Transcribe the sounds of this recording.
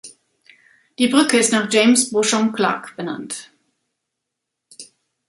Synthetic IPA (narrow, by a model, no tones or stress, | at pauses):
d̥iːbʁʏkəɪstnaːχd͡ʒ̥eɪmsb̥ʊʃɔmkl̥a̰ːkb̥əna̰nt